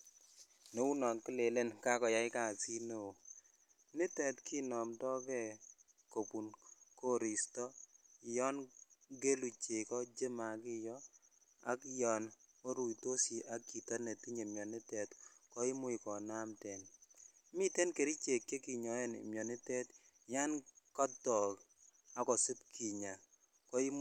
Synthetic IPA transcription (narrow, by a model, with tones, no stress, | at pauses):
no˦u˦nɔ˨kɪ˦le˨le˦nka˦kɔ˨ja˨ɪ˦ka˨si˦no˨ | nɪ˦tɛ˨tki˦nɔ˨mdɔ˦kɛ˦˨ | ko˨pu˨nko˦ɾi˨stɔ˦˨jɔ˦nɡe˦lu˨t͡ʃe˨kɔ˦d͡ʒe˦ma˨kɪ˦jɔ˦ | a̰˦kjɔ˨no˦ɾu˨i˨to˦si˨ʔa˦kːi˨ta˦ne˨ti˦ɲe˨mjɔ˨nɪ˦tɛ˨tkɔ˦i˦mʊ˦i˨kɔ˨na˦mtɛ˨nmi˦te˦nke˨ɾi˦t͡ʃe˨kːe˦ki˨ɲɔ˨ɛ˦n̰˨mjɔ˨nɪ˦tɛ˦t | ja˦nkɔ˦tɔ˨k | a˨kɔ˨si˦p̚kʰi˨ɲa˨ | kɔ˦i˦m